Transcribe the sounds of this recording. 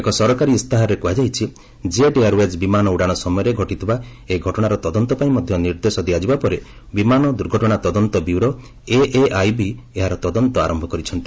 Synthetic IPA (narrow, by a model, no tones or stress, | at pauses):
ekɔsɔɾɔkaɾist̪aɦɔɾekuɦad͡ʒajt͡ʃʰi | d͡ʒeeɖejaɾwed͡ʒbimanɔuɽaɽ̃ɔsɔmɔjɔɾeɡʱɔʈit̪ʰiba | eɡʱɔʈɔɽ̃aɾɔt̪ɔd̪ɔnt̪ɔpaĩmɔd̪ʱjɔniɾd̪esɔd̪iad͡ʒibapɔɾe | bimanɔd̪uɾɡʱɔʈɔɽ̃at̪ɔd̪ɔnt̪ɔbiwɾɔ | eʔeʔajbi | eɦaɾɔt̪ɔd̪ɔnt̪ɔa̰ɾɔmbʱɔkɔɾit͡ʃʰɔnt̪i̥